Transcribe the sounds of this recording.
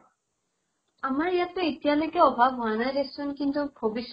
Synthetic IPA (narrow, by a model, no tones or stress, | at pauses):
amaɹijatʊitijalojkɛɔbʱabɔanajdessunkint̪ubʱobis